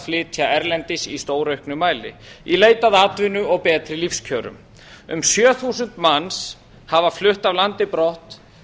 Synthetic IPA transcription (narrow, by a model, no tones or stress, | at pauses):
flɪːt̪ʰjaɛɾlɛnt̪ɪsist̪oːwɾœɥhknʏmaːjlɪ̰ileːjt̪aðat̪vɪnʏɔɣpɛːt̪ɾɪlifscʰœːɾʏ̰m | ʏ̰msjœːθusʏnt̪mans | havaflʏht̪avlant̪ɪpɾɔht̪